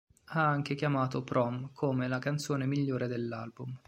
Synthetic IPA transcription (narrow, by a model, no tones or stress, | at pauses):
aaŋkekjamaːt̪opɾɔmkʰomelakant̪soːnemiʎːoːɾed̪elːa̰lbum